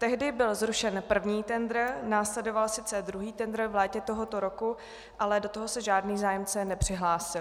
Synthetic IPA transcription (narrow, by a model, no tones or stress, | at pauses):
t̪ɛɦdɪbɪlzɾuʃɛnpr̩vɲiːt̪ɛnd̪ɾnaːslɛdo̞valsɪt͡sɛd̪ɾuɦiːt̪ɛnd̪ɾvlɛːcɛt̪oɦot̪oɾoku | ʔalɛdot̪oɦo̞sɛʒaːdniːzaːjɛmt͡sɛnɛpr̝̥ɪɦlaːsɪl